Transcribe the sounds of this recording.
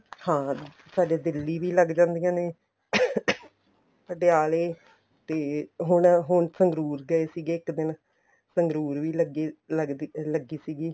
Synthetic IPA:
hãː | saːɖeːd̪ɪlːiːʋiːləɡd͡ʒãːnd̪ijãːneː | pəɖeaːleː | t̪eːɦʊɳɦʊɳsəŋɡɾuːɾɡəeːsiːɡeːɪkd̪ɪn | səŋɡɾuːɾʋiːləɡeːləɡ̪ləɡiːsiːɡiː

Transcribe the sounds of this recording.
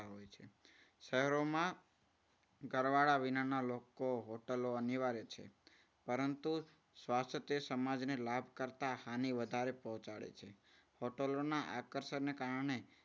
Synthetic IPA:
aɦojt͡ʃʰe | ʃəɦɛɾomã | ɡəɾʋaɽaʋinanalokoɦoʈəloəniʋaɾet͡ʃʰḛ | pəɾənt̪u | sʋast̪ʰət̪əsəmad͡ʒnelabʱkəɾt̪ahaniʋəd̪ʱaɾepɔɦɔ̃t͡ʃaɭḛt͡ʃʰe | hoʈəlonaʔakəɾsəɾnekaɾəɳe

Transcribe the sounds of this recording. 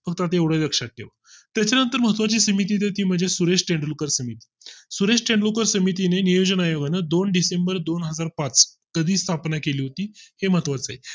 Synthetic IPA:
fəkt̪at̪eʋɽ̤ələkʂat̪̚ːḛʋə | t̪jat͡ɕjanənt̪əɾməɦət̪ʋat͡ɕiːsəmit̪iːt̪̬et̪iːm̤əɳd͡zesuɾeʂʈẽɳɖlokəɾsəmit̪i̥ːsuɾesʈeɳɖlokəɾsəmit̪̬inenijod͡ʑənajoɡanəd̪onɖisembəɾd̪onɦəd͡zaɾpat͡s | kəd̪ʱiːst̪ʰapnakeliːɦot̪iːheməɦət̪ʋat͡saɦi

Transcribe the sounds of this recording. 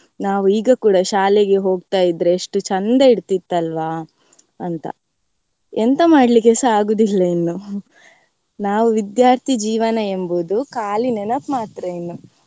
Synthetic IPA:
naːʋuiːɡɐkuːɽɐʃaːleɡe̞ɦo̞ːɡ̚t̪aːjid̪ɾeːʂʈut͡ʃɐnd̪ɐiɽt̪it̪ːɐlʋaː | ɐnt̪ɐ̰ | ent̪ɐmaːɽlikesɐaːɡuːd̪ilːɐinːu | naːʋuʋid̪jaːɾt̪ʰid͡ʒiːʋɐnɐe̞mbud̪ukaːlinɛnɐpmaːt̪ɾɐinːu

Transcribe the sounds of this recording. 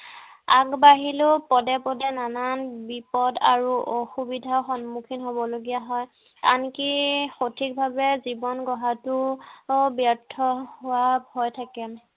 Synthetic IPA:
aɡbaɦilʊpɔdɛpɔdɛnananbipɔda̰ɹuʔɔxubidʱaxɔnmukʰinɦobɔloɡijaɦɔj | ta̰nkixotʰik̚bʱabɛzibɔnɡɔɦatʊ | bjatʰɔhʊwabʱɔjtʰakɛ

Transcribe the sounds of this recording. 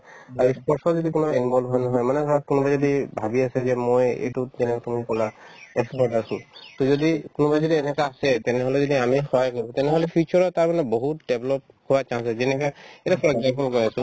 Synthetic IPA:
aɹispɔɹsɔzɔdikʊnɔinbɔlbʱɔjnɔɦɔjmanɛɡʱɔɹat̚kʊnubajzodibʱabiasɛzɛmojḛjtuzɛnɛkatumikɔlaɛkspɔɹtasʊ̃t̪ɔzodikʊnubajzodiɛnɛkaːsɛtɛnɛɦɔlɛzodiamixɔɦajkɔɹibɔ̃tɛnɛɦɔlɛpʰit͡ʃɔɹɔtaɹmanɛboɦutdeblɔp̚ | howat͡ʃãsɛzɛnɛkaɛɾapɹɔɡapɔlkɔɹiasʊ̃

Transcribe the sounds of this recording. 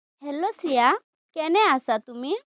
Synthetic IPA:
ɦelosɾija | kɛnɛasat̪umi

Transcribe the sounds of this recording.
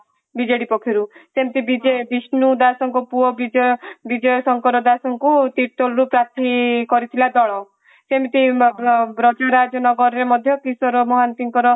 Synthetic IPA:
bid͡ʒeɽipɔkʰiɾusemt̪ibid͡ʒebisnud̪asɔŋkɔpuɔbid͡ʒɔbid͡ʒɔjɔsɔŋkɔɾɔd̪asɔŋkut̪iʈɔlɾupɾat̪ʰikɔɾit̪ʰilad̪ɔɭ̃ɔ | semt̪i | bɾɔd͡ʒɔɾad͡ʒɔnɔɡɔɾɔɾemɔd̪ʱjɔkisɔɾɔmɔɦant̪iŋkɔɾɔ

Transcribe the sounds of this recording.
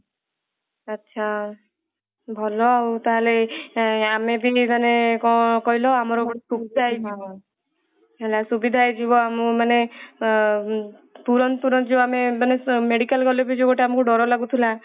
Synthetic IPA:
ətːʃʰa | bʱɔlɔaut̪aɦale | amebʱid͡ʒ̪anekɔkɔɦilɔamɔɾɔsubid̪ʱajba | ɦelasubid̪ʱajd͡ʒibɔamɔmane | puɾɔnp̪uɾɔnd͡ʒeamemanemeɽikalɡɔlɔbid͡ʒeɡoʈeamɔkuɖɔɾɔlaɡut̪ʰila

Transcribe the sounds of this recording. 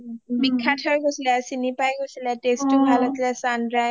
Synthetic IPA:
mikʰːatʰaɹɡosilɛsinipajɡojsilɛtestubʱalasilɛsandɹaj

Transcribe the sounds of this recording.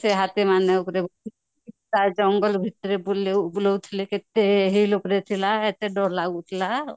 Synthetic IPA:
seɦat̪emaneukɾebɔi | it̪ad͡ʒɔŋɡəlbʱit̪ːɾeblbulɔut̪ʰileket̪eɦilupɾet̪ʰilaet̪eɖɔɾlaɡut̪ʰila

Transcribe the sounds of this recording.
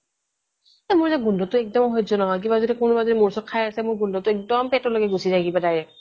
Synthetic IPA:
amʊɹzaɡundʱɔtʊɛk̚dɔmɦojtzɔnɔɦɔjk̬ibazodikʊnbazɔdimʊɹsɔt̚kʰajasɛmʊɹɡundʱɔtʊɛk̚dɔmpɛtɔloɡɛɡusizaɡibadajɛk̚

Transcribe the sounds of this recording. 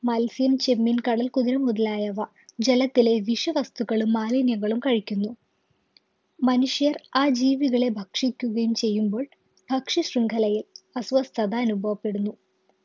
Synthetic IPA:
mɐlsijɐmt͡ɕe̞mːinkɐɽɐlkuðiɾɐmuðɐlaːjɐʋɐ | d͡ʑelɐt̪ːile̞ʋiʂɐʋɐst̪uɣɐɭumːaːlinjɐŋːɐɭumkɐɻikʲːunːu | mɐnuʂjɐraːd͡ʑiːʋiɣɐɭe̞bʱɐkʂikʲːuɣɐjumt͡ɕe̞jːumbo̞ːɭ | b̥ʱɐkʂiɕriŋɡʰʱɐlɐjilɐsʋɐst̪ʰɐd̪ɐːnubʱɐʋɐpːe̞ɽunːu

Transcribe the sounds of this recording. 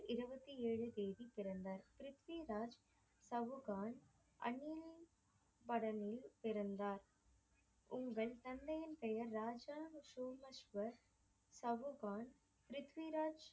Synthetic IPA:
ɪɾɯbɐt̪ːieːɻɯd̪eːðipɪɾɐnd̪aːɾpɪɾɯt̪ʋiɾaːd͡ʒ | sɐʋɯɣaːɳ | ʔɐ̰niːl | bɐɽɐnɪlpɪɾɐnd̪aːɾ | ʊŋɡɐɭt̪ɐnd̪ɐjɐnpɛjɐɾːaːd͡ʒaːnsuːmɐʃʋɐ | sɐʋɯɣaːɳ | pɪɾɯt̪ʋiɾaːd͡ʒ

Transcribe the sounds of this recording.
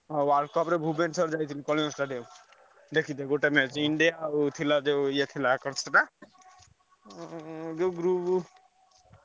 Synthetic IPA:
ɔwalkɔpɾebʱubensɔɾd͡ʒajt̪ʰinikɔliõsʈaɖijɔm | d̪ekʰid̪eɡoʈemet͡ʃiɳɖijat̪ʰilad͡ʒejet̪ʰilakəɾt͡ʃʰʈa | d͡ʒeɡɾub

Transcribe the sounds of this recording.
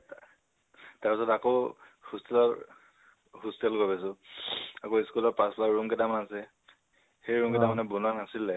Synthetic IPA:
taɹpisɔtako | hustɛlɔɹ | hustɛlɡabɛs̬ʊ | akoiskulɔɹpasplaɹuŋkɛtamanasɛ | xejɹuŋkɛtamanɛbunanasilɛ

